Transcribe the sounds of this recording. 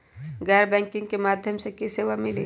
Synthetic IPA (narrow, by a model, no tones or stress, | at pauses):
ɡɛːɾbɛ̃ːŋkɪ̃ŋɡ̚kemaːd̪ʱjəmsekiseːʋamɪlḭː